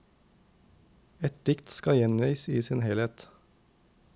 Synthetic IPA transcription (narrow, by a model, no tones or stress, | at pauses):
ɛt̪̚d̪ɪkt̪skɑjɛniɪsiːsɪnhɛleːt̪